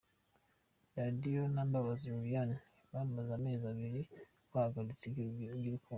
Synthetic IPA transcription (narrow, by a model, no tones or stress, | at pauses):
ɾadijonaːmbaβaziuɾjan | βaːmmbazaːme̞ːzaβiɾi | kwahaɡaɾit͡siɡiɾiku